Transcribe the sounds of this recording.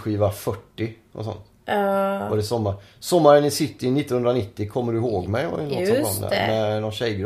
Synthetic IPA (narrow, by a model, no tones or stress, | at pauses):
ɧiːvafœʈːɪʔɔ̰sɔ̰nt̪ | ɔd̪ɛsɔmːasɔmːaɾənːɪsɪt̪ːəɾɪnɪt̪ːɔnhɵnd̪ɾanɪt̪ːɪkʰɔmːəɖɵɪhoːɡmɛjɔ̰ɾɛnɔɔn̰nænɔnɕɛjɡɾ